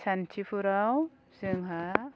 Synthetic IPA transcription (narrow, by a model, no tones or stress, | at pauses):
santʰipʰuɾaw | sɯŋɦa